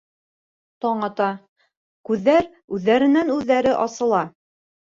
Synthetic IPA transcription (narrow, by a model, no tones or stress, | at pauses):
t̪ɑɴɑt̪ɑ | kʉðːæɾ | ʉðːæɾɘ̆nænʉðːæɾɘʔɑsɤ̆lˠɑ